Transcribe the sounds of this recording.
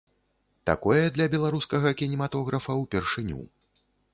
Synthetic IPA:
t̪a̰kɔjɛd̪lʲɐbʲɛlˠaɾuskɐɣɐkʲinʲɛmat̪ɔɣɾɐfɐwpʲɛrʂɨnʲṵ

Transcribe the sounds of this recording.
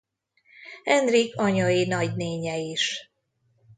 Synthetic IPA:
ɛnd̪rikʰɒɲɒjinɒɟneːɲɛiʃ

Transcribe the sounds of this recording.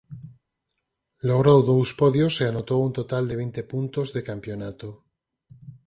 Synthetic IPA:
loɣɾowðouspoðjoseanot̪owunt̪ot̪ald̪eβ̞int̪epunt̪ozðekampjonat̪o

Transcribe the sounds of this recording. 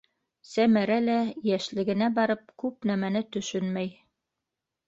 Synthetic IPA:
sæmæɾælæjæʃlɘ̆ɡɘ̆næbɑɾɤp̚kʉp̚næmænɘt̪ɵ̆ʃɵnmæj

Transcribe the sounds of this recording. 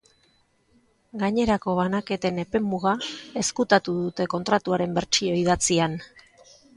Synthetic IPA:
ɡaɲe̞ɾako̞βanake̞t̪e̞ne̞pe̞muɣae̞skut̪at̪uðut̪e̞ko̞nt̪ɾat̪uaɾe̞mbe̞ɾt͡ʃio̞iðat͡sian

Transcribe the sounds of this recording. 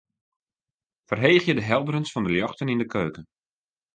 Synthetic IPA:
fərɦejːxjədəɦɛlˠdəɾənsfɔndəljɔxtənindəkʰøːkən

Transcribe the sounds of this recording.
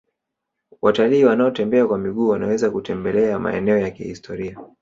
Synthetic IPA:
wataliːwanaɔtɛmbɛakwamiɠuːwanawɛzakutɛmbɛlɛama̰ɛ̰nɛɔjakihistʰɔɾia

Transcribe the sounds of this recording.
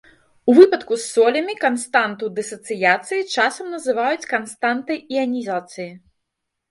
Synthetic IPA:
uvɨpɐt̪kusːɔlʲɐmʲikɐnst̪ant̪ud̪ɨsɐt̪sɨjat̪sɨjit͡ʂasɐmnɐzɨvajut͡sʲkɐnst̪ant̪ɨiɐnʲizat̪sɨji

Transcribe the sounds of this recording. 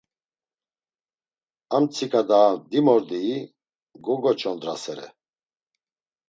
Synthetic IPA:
amt͡sʰikʰʼad̪aːd̪imɔɾd̪iː | ɡɔɡɔt͡ʃʰʼɔnd̪ɾa̰sɛɾɛ̰

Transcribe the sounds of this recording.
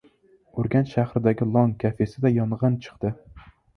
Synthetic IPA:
ʊɾɡʲanʃahɾɪd̪aɡʲɪlˠɒŋkʲʰafesɪd̪ajɒnʁɑnt͡ʃʰɨ̥qt̪ɪ

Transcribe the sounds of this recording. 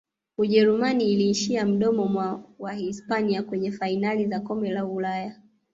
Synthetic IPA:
uʄɛɾumaniːliːʃiam̩ɗɔmɔmwawahispaniakwɛɲɛfainalizakɔmbɛlaulaja

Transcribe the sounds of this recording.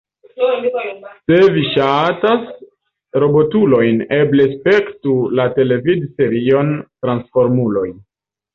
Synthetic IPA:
se̞viʃatas | ɾo̞bo̞tulo̞jne̞blespe̞ktulate̞le̞vidse̞ɾio̞ntɾansfo̞ɾmulo̞j

